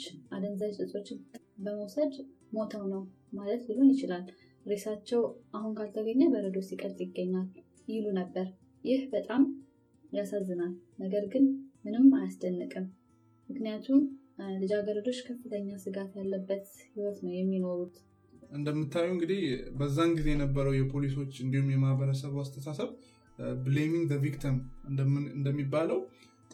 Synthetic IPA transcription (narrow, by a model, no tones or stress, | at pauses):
t͡ʃːʔad̪əmzajsʼɨsʼo̞t͡ʃːɪn | bəməwsəd̪ | mo̞t̪ʰawnəw | malət̪bɨlunjɪt͡ʃɪlal | ɾesat͡ʃːɛwʔahunkʰalt̪ʰəɡəɲːabəɾəd̪o̞sikʼəɾt̪ʼjɪɡːəɲːal | jɪlunəbːəɾ | jɪhbət̪ʼam | jasazːɨnalnəɡəɾɡɨnmɨnɨmːajasd̪ənːəkʼɨm | mɨknijat̪ʰumlɨd͡ʒaɡəɾəd̪o̞t͡ʃːkʰəfːɨt̪ʰəɲːasɨɡat̪jalːəbːət̪hiwɔt̪nəwjɛmːino̞ɾut̪ | ɨnd̪əmːɨt̪ʰːajːuɨŋɡɨd̪ihbəzːanɡize̞jɛnəbːəɾəwjɛpʰo̞liso̞t͡ʃːɨnd̪ihumjɛmahβəɾəsəβast̪ʰəsasəβ | ble̞miŋɡd̪əvikt̪ʰimɨnd̪əmɨɨnd̪əmːibːaləw